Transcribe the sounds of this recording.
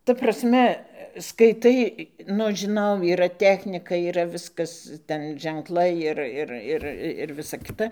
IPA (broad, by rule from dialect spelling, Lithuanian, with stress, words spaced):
tɐ prɐsʲˈmʲɛ skɐɪˈtɐɪ ˈnʊ ɐʃ ʒʲɪˈnɐʊ iːˈrɐ ˈtʲæːxʲnʲɪkɐ iːˈrɐ ˈʋʲɪskɐs ˈtʲɛn ʒʲɛŋˈklˠɐɪ ˈɪr ˈɪr ˈɪr ɪr ˈʋʲɪsɐ ˈkʲɪtɐ